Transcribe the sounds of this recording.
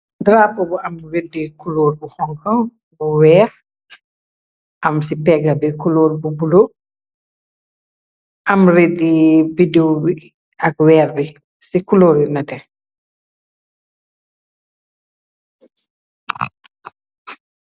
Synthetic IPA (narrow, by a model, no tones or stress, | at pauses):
dɾapɔbɔamɾedːikuloɾbɔhɔŋkɔ | bɔwɛɾ | ʔamsipɛɡabɛkuloɾbubulo | ʔamɾedːibidewbi | ʔakwɛɾbi | sikuloɾinatɛ